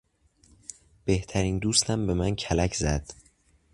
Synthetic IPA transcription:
b̥e̞ht̪ʰæɾiːnd̪uːst̪ʰæmbe̞mæncʰælæcʰzæd̪̥

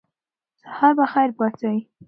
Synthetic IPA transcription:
sḁhɑɾbaxajɾbɑt͡sawi

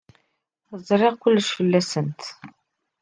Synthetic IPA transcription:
θzˤɾˤeʁkʷʊlːəʃfəlːæsənt̪

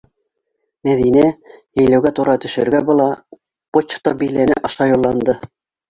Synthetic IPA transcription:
mæðinæjɘ̆jlæwɡæt̪uɾɑt̪ɵ̆ʃɵ̆ɾɡæbŏlˠɑ | pot͡ɕft̪obĭjlænɘʔɑ̆ʃɑjulˠːɑnd̪ɤ

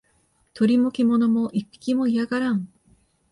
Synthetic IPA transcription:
t̪o̞ɾʲimokʲimo̞nomoʔipʲːi̥kʲimoijaɡaɾãɴ

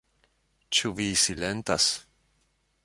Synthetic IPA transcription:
t͡ʃuvisilent̪as

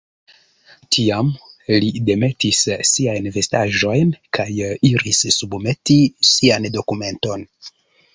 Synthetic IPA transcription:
tʰiamlide̞me̞tisːiajnve̞staʒo̞jnkajiɾissubme̞tisiando̞kume̞nto̞n

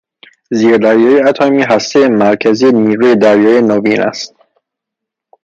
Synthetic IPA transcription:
ziːɾd̪æɾjɒːjeæt̪ʰɒːmiːɦæst̪ejemæɾcʰæzieniːɾujed̪æɾjɒːjenoviːnæ̰st̪̚

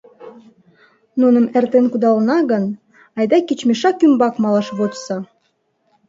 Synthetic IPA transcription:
nunə̆mert̪enkud̪ɑlnɑɣən | ɑjd̪ɑkit͡ɕmʲeʃɑkymbɑkmɑlˠɑʃβot̪sɑ

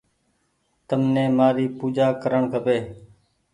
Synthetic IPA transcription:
t̪əmnẽːmaːɾiːpuːd͡ʒaːkəɾəɳkʰəpeː

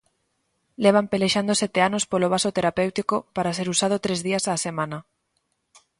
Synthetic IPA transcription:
leβ̞ampeleʃand̪oset̪eanospoloβ̞asot̪eɾapewt̪ikopaɾaseɾusað̞ot̪ɾezðiasaːsemãna

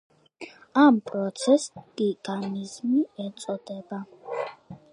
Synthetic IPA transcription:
ampʼɾɔt̪sʰɛskʼiɡanizmiɛt̪sʼɔd̪ɛba

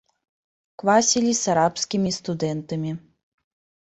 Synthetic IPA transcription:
kvasʲilʲisaɾapskʲimʲist̪ud̪ɛnt̪ɐmʲi

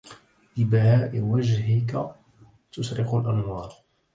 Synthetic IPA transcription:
ʔɪbahaːʔɪwad͡ʒɦɪka | t̪ʊsɾɪqʊlʔanwɑːɾˤ

